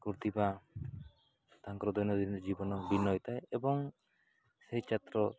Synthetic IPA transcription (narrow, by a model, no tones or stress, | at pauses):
kuɾt̪iba | t̪aŋkɾɔd̪ɔjnɔd̪ind͡ʒibɔnɔbinɔjt̪aeebɔŋ | sejt͡ʃat̪ɾɔ